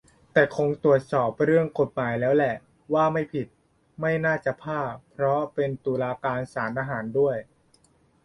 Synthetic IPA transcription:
t̪ɛː˨˩kʰo˧ŋt̪u˨˩ət̪̚sɔː˨˩p̚ɾɯ˥˩əŋko˨˩t̪̚maː˩˦jlɛː˦˥wlɛ˨˩ʔ | waː˥˩ma˥˩jpʰi˨˩t̪̚ | ma˥˩jnaː˥˩t͡ɕa˨˩pʰaː˥˩pʰɾɔ˦˥pe˧nt̪uː˧laː˧kaː˧nsaː˩˦nʔ̪aː˧ɦaː˩˦ndu˥˩əj

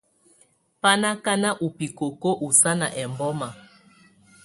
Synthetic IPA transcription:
pa˦na˦ka˦na˦ʔu˨pi˨ko˨ko˦ʔu˨sa˦na˨ʔɛ˨mbɔ˦ma˨

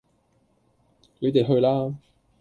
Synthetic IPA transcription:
lɵ˨˧t̪e˨jɦɵ˧ɥlaː˥

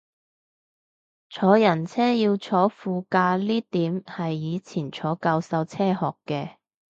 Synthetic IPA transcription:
t͡ʃʰɔː˨˧˥jɐ˨˩nt͡sʰɛː˥jiː˧wt͡sʰɔː˨˥fuː˨˧kaː˧liː˥t̪iː˨˥mhɐ˨jːiː˨˧t͡sʰiː˨˩nt͡sʰɔː˨˥kaː˧wsɐ˧wt͡sʰɛː˥hɔː˨˩kːɛː˧

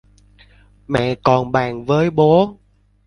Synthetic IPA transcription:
mɛ̰˧˨kɔ˨˩nɓaː˨˩ŋvəː˨˦jɓo˨˦

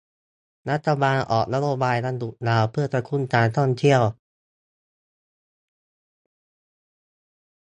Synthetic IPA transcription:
ɾa˦˥t̪ʰːa˧baː˧nʔɔ̰ː˨˩k̚na˦˥joː˧˩baː˧jɾa˧ndu˨˩t̚naː˨˩wpʰɯ˥˩ɐpɾa˧kʰu˧˥˨nkaː˧nt̪ʰɔ˥˩ŋt̪ʰi˥˩əw

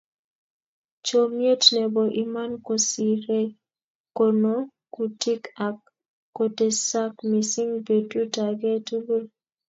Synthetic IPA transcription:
t͡ʃo˨mje˦tnɛ˨bo˨ʔi˨ma˦nko˨si˨ɾe˦ | ko˨no˦ | ku˨ti˦ka˨kː | o˨te˨sa˦kmi˨si˦ŋbe˨du˦ta˨ɡɛ˦tu˦bu˦l

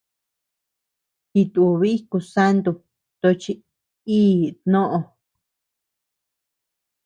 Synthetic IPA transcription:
ki˧t̪u˨˧βi˦ku˧sa˦nd̪u˧˨ | t̪o˧t͡ʃi˧ | iː˦t̪nõ˦ʔõ˧

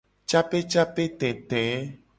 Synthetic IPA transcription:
t͡ʃa˦pe˦t͡ʃa˦pe˦t̪ɛ̃˨t̪ɛ̃˨˦

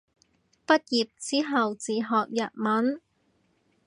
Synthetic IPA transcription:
pɐ˥t̚jiː˨p̚t͡siː˥ɦɐ˨wt͡siː˨ɦɔː˨k̚jɐ˨t̚mɐ˨˥n

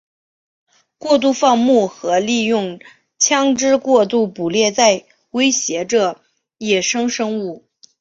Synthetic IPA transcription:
kwɔ˥˧t̪̬u˥˧fɑ˥˧ŋmu˥˩xɤ˧˥li˥˧jʊ˥˩ŋ | t͡ɕʰjɑ˥ŋʈ͡ʂɻ̩˥kwɔ˥˧t̪u˥˩pu˨˩ljɛ˥˧t͡sa˥˩ɪ | we˥ɪɕjɛ˧˥ʈ͡ʂə˥˩ | jɛ˨˩ʂɤ˥ŋʂɤ˥ŋu˥˩

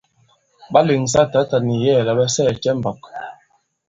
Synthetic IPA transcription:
ɓa˦li˨ŋs̬a˦ta˨˦ta˨ni˨jɛː˦˨la˨ɓɛ˦sɛː˦˨t͡ʃɛ˦m̩˨bɔ˨k

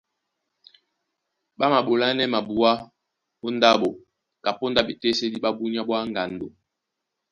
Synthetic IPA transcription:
ɓa˦ma˨ɓo˨la˦nɛ˦ma˨bu˨a˦ | o˦nda˦ɓo˨ | ka˨po˦nda˦ɓe˨te˦se˦di˦ɓa˦bu˦ni˦a˦ɓwa˦ŋ˨ɡa˨ndo˨

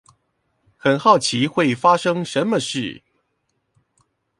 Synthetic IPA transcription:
xə˨˩nxɑ˥˩ʊt͡ɕʰi˧˥xwe˥˩ɪfa˥ʂɤ˥ŋʂə˧˥nmə˧ʂɻ̩˥˩

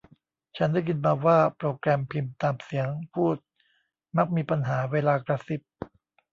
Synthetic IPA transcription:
t͡ɕʰa˦˥ndaː˥˩jkɯ˧nmaː˧waː˥˩pɾoː˧kɾɛː˧mpʰi˧mt̪aː˧msi˩˦əŋpʰuː˥˩t̪̚ | ma˦˥˩k̚miː˧pa˧nɦaː˩˦weː˧laː˧kɾa˧si˨˩p̚

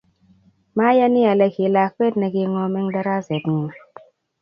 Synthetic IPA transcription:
ma˦ja˦ni˦a˨lɛ˨ki˨la˨˦k̚we˦tnɛ˨ɡi˨ŋɔ˨mɛ˦ŋda˦ɾa˦zɛ˨tŋu˨

